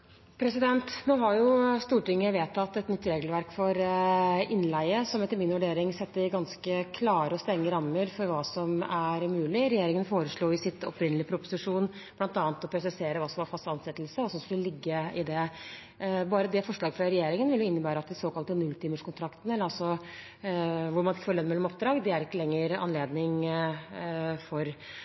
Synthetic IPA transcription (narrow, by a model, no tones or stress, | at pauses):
pʰɾɛsɪd̪ɛnt̪noːɦɑɾjʊst̪uːʈɪŋːəʋeːt̪ɑt̪ɛt̪nʏt̪ːɾeːɡlʋæɾkfɔɾ | ɪnːlæɪəsɔmɛt̪ːəɾmɪnʋʉɖeːɾɪŋsɛt̪ːəɡɑnskəkʰlɑːɾəɔst̪ɛŋːəɾɑmːəɾfɔɾʋɑːsɔmæɾmʉːlɪɾɛjeːɾɪŋənfoːɾəʂɭuːɪsɪt̪ɔ̰pɾɪnəlɪpʰɾʊpʊ̥sɪʂuːnb̥lɑnt̪ɑːnt̪ɔpʰɾɛsɪseːɾəʋɑːsɔmʋɑɾfɑst̪ɑnsɛt̪ːlsəʋɑːsɔmskʉləlɪɡːəɪd̪ɛ | bɑːɾəd̪ɛfɔʂɭɑːɡəfɾɑɾɛjeːɾɪŋənʋɪljʊɪnːəbæːɾəɑt̪d̪ɪsoːkɑlt̪ənʉlːt̪ʰɪːməʂkʰʊnt̪ʰɾɑkt̪n̩ɛləɾɑlsɔ | ʋʊɾmɑnɪkːəfɔlːɛnːmɛlːɔmɔp̚ːd̪ɾɑːɡd̪ɛæɾɪkːəlɛŋːəɾɑ̰nleːd̪nɪŋ | fɔɾ